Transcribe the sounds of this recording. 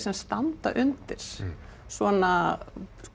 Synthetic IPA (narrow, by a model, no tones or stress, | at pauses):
sɛmst̪ant̪a̰ʔʏnt̪ɪɾ̥ | svɔna